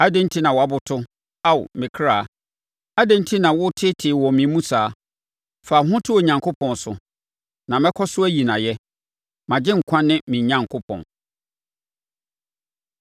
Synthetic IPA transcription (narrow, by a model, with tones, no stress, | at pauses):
a˦dẽ˦n̩˦tʰi˦nã˨wɔ˨a˦bʊ˨tʰʊ˦ | a˦w̰mɪ̃˨kʰɾaː˨ | a˦dẽ˦n̩˦tʰi˦nã˨wʊ˦tʰɪ˦tʰɪ˨wɔ˨mĩ˨˦mũ˦saː˨˦ | fa˨ɦʊ̃˦tʰʊ˦o˨ɲã˨ŋkʰʊ˦pʰɔ̃˨n˨sʊ˨ | nã˨mɛ̃˦kʰɔ˦sʊ˦æ˦ji˨nã˨jɛ˦ | mã˨d͡ʑɪ̃˦ŋ̩˨kʷʰã˦nɪ̃˦mĩ˨ɲã˨˦ŋkʰo˦pʰɔ̰̃˨n